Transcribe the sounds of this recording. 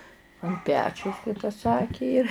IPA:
ɐn ˈpʲæːt͡ʃʲɛʊs kɐɪ tɐ ˈsɑːkʲɪ jɪr

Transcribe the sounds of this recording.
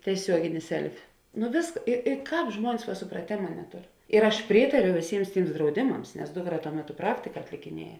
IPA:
tʲiɛˈsʲuɔɡʲɪnʲɪ ˈsʲɛlʲfʲɪ nʊ ʋʲeːsk ɪ ɪ ˈkɑːp ˈʒmuɔnʲɪs ʋɐ sʊprɐˈtʲeːmɐ nʲɛˈtʊr ɪr ɐʃ ˈpʲrʲiːtɐrʲʊ ʋʲeːˈsʲiːms ˈtʲiːms drɐʊˈdʲɪmɐms nʲɛs ˈdʊkˌrɐ tuɔ ˈmʲæːˌtʊ ˈprɑːktʲɪkɐ ɐtʲlʲɪkʲɪˈnʲiɛjɛ

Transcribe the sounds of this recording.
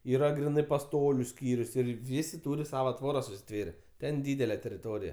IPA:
ˈiːrɐ ɡrʲɪˈnɜ pɐˈstoːlʲʊ ˈsʲkʲiːrʲʊs ˈɪr ˈʋʲɪsʲɪ ˈtuːrʲɪ ˈsɑːʋoː ˈtʋoːrɐs ʊʃʲsʲɪˈtʲʋʲeːrʲɛ ˈtʲɛn ˈdʲiːdʲɛlʲɛ tʲɛrʲɪˈtoːrʲɪjɛ

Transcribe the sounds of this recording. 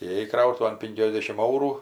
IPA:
iːeːˈjɛɪ ˈkrɐʊtʊʋɐn ˈpʲɪŋʲkʲɛzʲdʲɛʃʲɪm ˈɐʊruː

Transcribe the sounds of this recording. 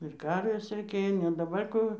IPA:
ɪr ˈkɐrʲʋʲeːs rʲɛɪˈkʲeːjoː nʲɛ dɐˈbɐr ˈkuː

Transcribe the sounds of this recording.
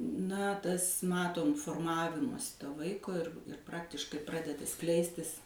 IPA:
nɐ ˈtɐs ˈmɑːtoːm foːrˈmɑːʋʲɪmoːsʲɪ ˈtoː ˈʋɐɪkoː ɪr ˈprɑːktʲɪʃkɐɪ ˈprɑːdʲɛdɐ ˈsklʲɛɪsʲtʲɪs

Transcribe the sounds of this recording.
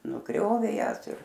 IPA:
nʊˈɡrʲoːʋʲeː ˈjæːs ɪr

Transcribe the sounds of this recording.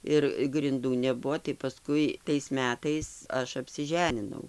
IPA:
ˈɪr ɡrʲɪnˈduː nʲɛˈbuɔ tɐɪ pɐˈskʊɪ tɐɪs ˈmʲæːtɐɪs ˈɐʃ ɐpʲsʲɪˈʒʲæːnʲɪnɐʊ

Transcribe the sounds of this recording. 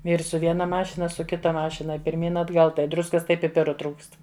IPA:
ˈʋʲiːrs sʊ ˈʋʲiɛnɐ ˈmɑːʃʲɪnɐ ˈɐʃ sʊ ˈkʲɪtɐ ˈmɑːʃʲɪnɐ pʲɪrʲˈmʲiːn ɐdˈɡɐlˠ tɐɪ ˈdrʊskɐs ˈtɐɪ pʲɪˈpʲɪrʊ ˈtruːkst

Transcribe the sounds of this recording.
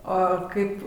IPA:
ˈoː ˈkɐɪp

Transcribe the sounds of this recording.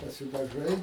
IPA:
pɐsʲɪdɐˈʒɐɪ

